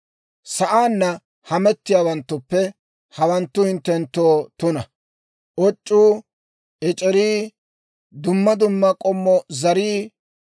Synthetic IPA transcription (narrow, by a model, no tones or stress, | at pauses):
sɐʔaːnːɐ | hɐmɛt̪ːɪjaːwɐnt̪ːʊpːɛ | hɐwɐnt̪ːʊhɪnt̪ːɛnt̪ːoːt̪ʊnɐ | ʔɔt͡ʃʼːuː | ɛt͡ʃʼɛɾiː | d̪ʊmːɐd̪ʊmːɐkʼɔmːɔzɐɾiː